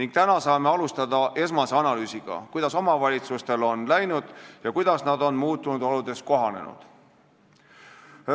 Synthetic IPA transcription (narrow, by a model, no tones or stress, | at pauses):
niŋɡ̥̚t̪ænɑsɑːme̞ɑlust̪ɑd̪ɑʔe̞smɑseɑnɑlyːsiɡ̥ɑ̰kujd̪̥ɑso̞mɑvɑlʲit̪sust̪e̞lo̞nlæjnud̪̥jɑkujd̪̥ɑsnɑd̪o̞nmuːt̪ːˑunud̪olud̪̥e̞sko̞ɦɑne̞̰nṵd̪̥